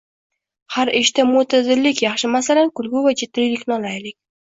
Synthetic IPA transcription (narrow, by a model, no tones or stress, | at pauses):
haɾɪʃt̪amʊt̪ʰad̪ɪlːɪkʲjɑχʃɪmasalankʊlɡʲʊvat͡ʃʰɪt̪ɾɪjlɪkʲnɒlajlɪkʲ